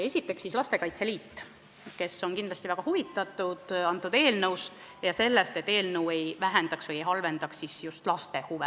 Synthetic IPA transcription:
esʲit̪ːe̞ksːislɑst̪e̞kɑjt̪seliːt̪ːˑ | ke̞sːo̞nkind̪lɑsʲt̪ivæɡ̥ɑhuvit̪ːˑɑt̪ːˑud̪̥ɑnt̪ˑːud̪e̞ːlnɤws | jɑse̞lːest̪et̪ːˑe̞ːlnəwe̞jvæɦend̪̥ɑksvɤjejɦɑlve̞nd̪̥ɑksːisjust̪lɑst̪e̞huve

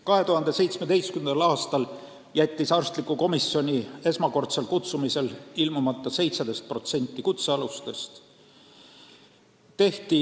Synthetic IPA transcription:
kɑɦe̞t̪uhɑnd̪̥e̞se̞jt̪smed̪e̞jskymnɑlɑːst̪ɑl | jæt̪ʲːisɑrst̪likːˑuko̞misio̞nʲie̞smɑko̞rt̪se̞lkut̪sumise̞lilmumɑt̪ˑːɑse̞jt̪sed̪e̞st̪̚pro̞t̪se̞nʲt̪ːikut̪se̞ɑlust̪est̪ | t̪e̞ht̪i

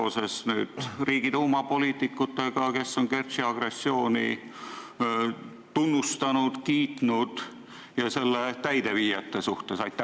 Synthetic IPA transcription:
ose̞snyːd̪̥riːɡ̥id̪umɑpo̞liːt̪ːˑikːut̪ːˑe̞ɡ̥ɑke̞sːo̞ŋke̞rt̪ɕiɑɡ̥re̞sːio̞ːnḭ | t̪unːust̪ɑnud̪̥kiːt̪nud̪̥ | jɑse̞lːet̪æjd̪̥e̞ʋiːjɑt̪ːesuht̪e̞sɑjt̪ːˑɑ

